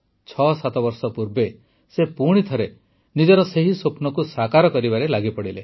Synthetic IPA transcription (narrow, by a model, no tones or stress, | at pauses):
t͡ʃʰɔsat̪ɔbɔɾsɔpuɾbe | sepuɽ̃it̪ʰɔɾe | nid͡ʒɔɾɔseɦisopnɔkusakaɾɔkɔɾibaɾelaɡipɔɽile